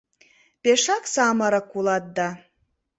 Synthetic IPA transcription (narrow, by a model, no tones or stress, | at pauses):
peʃɑksamaɾakulˠɑt̪̚d̪a